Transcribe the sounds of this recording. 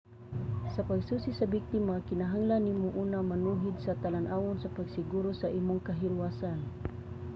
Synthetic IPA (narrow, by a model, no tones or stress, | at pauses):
sɐpaɡsuːsisɐbɪk̚t̪ɪmakɪnaɦaŋlanːimoʔuːnamanuːɦɪd̪̚sɐt̪alanʔaːwonsɐpaɡsɪɡuːɾosɐʔiːmoŋkɐɦɪɾwaːsan